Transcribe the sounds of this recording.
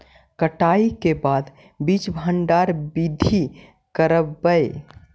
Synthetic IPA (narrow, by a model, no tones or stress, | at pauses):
kəʈaikebad̪ | bit͡ʃbʱəɳɖaɾbid̪ʱi | kəɾəbːəe